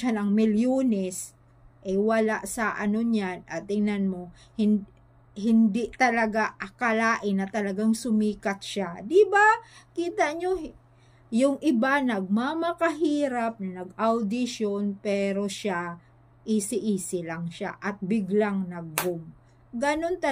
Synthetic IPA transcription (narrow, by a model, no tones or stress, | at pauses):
anɐŋmɪljoːnɛs | ʔɛwɐlaʔsɐʔɐno̞ɲanʔɐt̪ːɪŋnanmo̞hɪn | hɪnd̪ɪʔt̪ɐlɐɡaʔɐkɐlaːʔɪnːɐt̪ɐlɐɡaŋsʊmiːkat̪̚ʃad̪ɪbakiːt̪aʔɲo | jʊŋʔɪbanɐɡ̚mamɐkɐɦiːɾap̚nɐnɐɡ̚ʔawd̪ɪʃonpɛːɾo̞ʃa | ʔisɪʔiːsɪlaŋʃa̰ʔɐt̪̚bɪɡlaŋnɐɡ̚ːʊm | ɡɐno̞nt̪ɐ